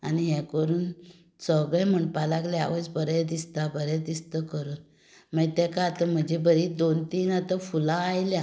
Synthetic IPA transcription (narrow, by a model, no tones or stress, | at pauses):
a̰niɦɛ̃kəɾuːn | səɡɭəjm̤əɳpalaklɛa̰ʋəsbəɾɛd̪ist̪abəɾɛd̪ist̪əkəɾuːn | məɡt̪ɛ̃kat̪am̤əd͡ʑebəɾid̪ont̪iːnat̪afulãːjlja